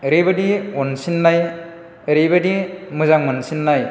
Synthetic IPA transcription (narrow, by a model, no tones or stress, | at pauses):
ɾebɯdiɔnsinːaj | ɾebedimɯzaŋmɯnsinːaj